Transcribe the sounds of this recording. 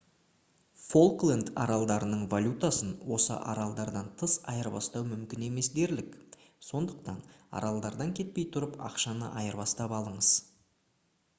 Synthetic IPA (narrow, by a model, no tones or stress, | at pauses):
fo̞lˠklˠend̪ɑɾɑlˠd̪ɑɾənəɴvalʲut̪asənwo̞sə̰ʔɑ̰ɾɑlˠd̪ɑɾd̪ɑnt̪ʰəsɑjəɾbɑ̰st̪ɑwmʏmkʲɪne̞me̞sd̪e̞ɾlɪk | so̞nd̪əqt̪ɑnɑ̰ɾɑlˠd̪ɑɾd̪ɑŋkʲʰe̞t̪̚pe̞jt̪ʰʊɾəpɑ̰qʃɑnəʔɑjəɾβɑst̪ɑpɑlˠəɴəz̥